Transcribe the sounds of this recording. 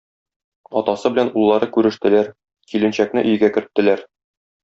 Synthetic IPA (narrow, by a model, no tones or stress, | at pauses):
ɒt̪ɑsɤbɘ̆lænulˠːɑɾɤkʉɾɘ̆ʃt̪ɘ̆læɾ | kilɘ̆nɕæk̚nɘʔɵ̆jɘ̆ɡækɘ̆ɾt̪ːɘ̆læɾ